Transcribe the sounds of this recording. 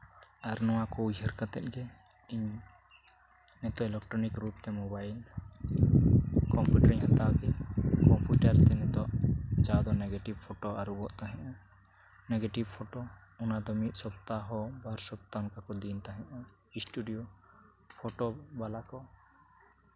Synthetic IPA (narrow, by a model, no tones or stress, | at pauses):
aɾnɔwakɔud͡ʒəɾkat̪ɛ̰t̪̚ɡɛ | iɲ | nɛt̪ɔʔɛlɛk̚ʈɾɔnikɾup̚t̪ɛmɔbail | kɔmpuʈɾiɲhat̪aɡɛkɔmpjuʈaɾt̪ɛnɛt̪ɔʔt͡ʃad̪ɔnɛɡeʈibpʰɔʈɔaɾubɔʔt̪aɦɛ̃ʔɔ | nɛɡeʈibpʰɔʈɔ | ɔnad̪ɔmit̪̚ˀsɔpt̪aɦɔbaɾsɔp̚t̪aɔnkakɔd̪int̪aɦɛ̃ʔɔ | isʈuɖijo | pʰɔʈɔbalakɔ